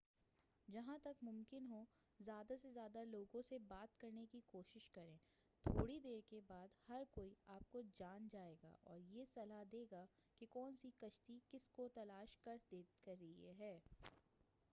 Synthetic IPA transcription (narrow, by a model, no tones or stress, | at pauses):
d͡ʒɐɦãt̪ɐkmʊ̃mkɪnɦo | zjaːd̪asezjaːd̪aloːɡõsebaːt̪kɐɾnekikoːʃɪʃkɐɾẽː | t̪ʰo̰ːɽid̪eːɾkebaːd̪hɐɾkoːiaːp̚kod͡ʒaːnd͡ʒaːeːɡa̰ːʔɔːɾjesɐlad̪eːɡa | kekɔːnsikɐʃt̪ikɪskot̪ɐlaːʃkɐɾd̪eːkɐɾːiieɦɛː